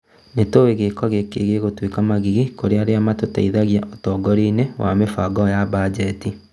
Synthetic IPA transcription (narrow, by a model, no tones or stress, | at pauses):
netoweɣekɔɣekeɣeɣotwekamaɣiɣikoɾeaɾeamatota̰iðaɣjaʔɔtɔːɡɔɾiːnewa̰mefaɡɔjabad͡ʒɛti